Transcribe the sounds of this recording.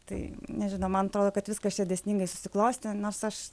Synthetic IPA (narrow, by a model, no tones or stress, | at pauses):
t̪ɐɪnʲɛʒʲɪnɐʊmɐnɐt̪ɾoːd̪oːkɐt̪ʋʲɪskɐsʲɛd̪ʲɛsʲnʲiŋɡɐɪsʊ̥sʲɪklˠɐʊsʲt̪ʲɪnoːrsɐʃ